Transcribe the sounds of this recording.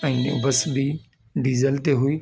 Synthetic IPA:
ɛ̃ːʊ̰bəsbiː | ɖiːzəlt̪eɦʊiː

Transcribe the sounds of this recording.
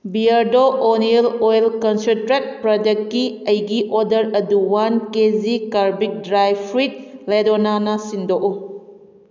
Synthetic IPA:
biaɾdoʔonielojlkɔnsentɾet̚pɾɔdek̚kiɐjɡiʔodɐɾɐduwankezikaɾbik̚dɾajpʰɾit̚ledonanɐsindoʔu

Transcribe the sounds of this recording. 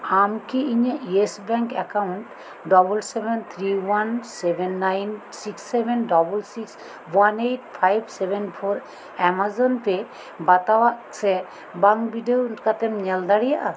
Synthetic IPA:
amkiiɲəʔiesbɾɛŋkɛkaunɳʈ | ɖɔbulsɛbɛnt̪ʰɾiwansɛbɛnːajn | siksːɛbɛnɖɔbulsiks | wanejʈpʰajbsɛbɛnpʰoɾ | ɛmazɔnpɛ | bat̪awaʔsɛ | baŋkbiɖeokat̪ɛmɲɛld̪aɽijaʔa

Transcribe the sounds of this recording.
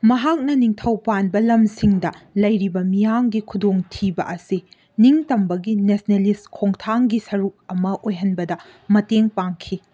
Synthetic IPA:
mɐɦak̚nɐniŋtʰɐwpanbɐlɐmsiŋdɐlɐjɾibɐmijaŋɡikʰudoŋtʰibɐ̰ʔɐsi | niŋtɐmbɐɡinesneliskʰoŋtʰaŋɡisɐɾuk̚ɐmɐʔojɦɐnbɐdɐ | mɐteŋpaŋkʰi

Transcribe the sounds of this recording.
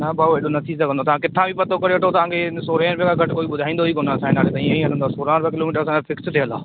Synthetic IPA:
nabʱaːeɗonɐt̪ʰiːsɐɡʱə̃nd̪ot̪ɐʋ̤ãkɪt̪ʰãbipɐt̪okɐɾeɐʈʰot̪ɐʋ̤ãːkʰesoːɾeːnpjkʰaɡʱɐʈkoːiɓʊd̪ʱaːĩnd̪oɦiːkonaːsaːɪnaːɾet̪ɐĩːẽĩɐl̤ə̃nd̪aːsoːɾaːɾpːkɪloːmiːʈəɾɐsãkefɪkst̪ʰiə̃la̰ː

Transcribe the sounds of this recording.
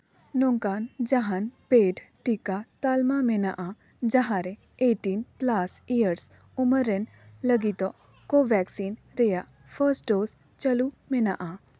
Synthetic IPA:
nõŋkand͡ʒaɦanpeːʈʈikat̪almamenaʔa | d͡ʒaɦaɾe | eʈinplasijəɾs | uməɾen | ləɡit̪ɔ | koʋɛksinɾejaʔ | fʰəɾsʈɖoːs | t͡ʃəlu | menaʔa

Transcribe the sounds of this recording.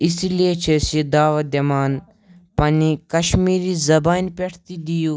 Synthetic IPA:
isiliet͡ʃʰesid̪aːʋɐd̪ɐmaːn | pɐnikɐʃmiːɾizɐbaːnʲpʲeʈʰt̪id̪ijuː

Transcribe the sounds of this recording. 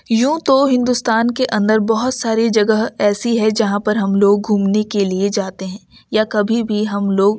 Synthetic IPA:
jũːt̪oɦɪ̃nd̪ust̪aːnkeʔɐ̃nd̪əɾbɐɦʊt̪saːɾid͡ʒɐɡəɦɛːsiɦɛd͡ʒɐɦãpɐɾɦɐmloːɡ̚ɡʱuːmnekelied͡ʒaːt̪eɦɛ̃ː | jakɐbʱibʱiɦɐmloːɡ̚

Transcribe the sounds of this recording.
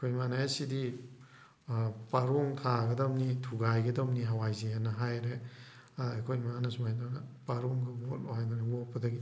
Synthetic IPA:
kʰojmanajesidi | paɾoŋtʰaɡɐdɐmnitʰuɡajɡɐdɐmniɦawajzeanɐɦajɾe | ekʰojmanɐsumajdɾanɐpaɾoŋɡɐbolohajɡanebɔpːɐdɐɡi

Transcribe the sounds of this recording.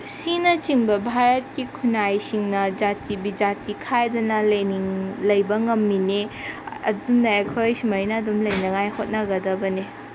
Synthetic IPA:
sinɐt͡ʃiŋbɐbʱaɾɐt̚kikʰunajsiŋnɐd͡ʒatʰibid͡ʒatikʰajdɐnɐlɐjniŋlɐjbɐŋɐmːineɐ̰dumnɐekʰojsimajnɐːdumlɐjnɐŋajhot̚nɐɡɐdɐbɐne

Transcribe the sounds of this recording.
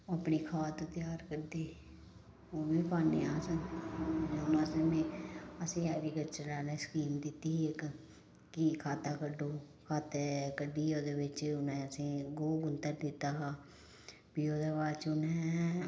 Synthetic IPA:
oəpniːkʰaːt̪õːt̪jaːɾkəɾd̪eː | oːbiːpaːneaːsənː | ʊnaːsemẽːəsĩːaːɾiːkət͡ʃəlaːneːskiːmd̪ɪt̪iːek | kikʰaːt̪aːkəɖoː | kʰaːt̪ekəɖiːoːd̪eːʋɪt͡ʃʊnẽːəsĩːɡoːɡʊnt̪əɾd̪ɪt̪aːɦaː | pijoːd̪əʋaːt͡ʃʊnɛ

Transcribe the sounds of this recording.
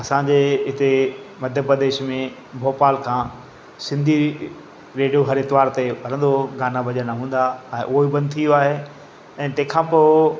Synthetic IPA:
ɐsãɲd͡ʑeɦɪt̪emɐd̪ʱjəpɾəd̪eːʃmẽ | bʱoːpaːlkʰãː | sɪ̃nd̪ʱi | ɾeːɖijoɦɐɾɪt̪ɪʋaːɾt̪ebʱɐɾə̃nd̪oɡaːnabʱɐd͡ʑənaɦũːn̆d̪aɛ̃ːʔʊibɐ̃nd̪̚t̪ʰijoaːɦe | ɛ̃ːt̪ɐ̃ːkʰãpoː

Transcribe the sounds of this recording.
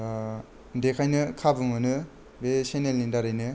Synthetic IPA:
dekʰajnɯkʰabɯmɯnɯ | besenelnindaɾajnɯ

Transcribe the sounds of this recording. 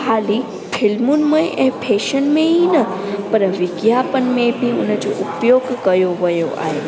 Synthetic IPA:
haːli | fʰɪlmunmẽʔɛ̃ːpʰeːʃənmẽinɐpɐɾʋɪɡjaːpən̆mẽbʱiʊ̰nəd͡ʑo̰ʔʊpjoːɡkɐjoʋɐjoʔa̰ːɦeː

